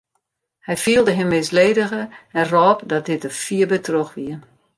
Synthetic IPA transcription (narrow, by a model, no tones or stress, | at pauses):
hɛjfiəlˠdəɦɪmːɪːsleːdəɣəɛnrɔːpdɔt̚dɪtəfiəbətroxʋiə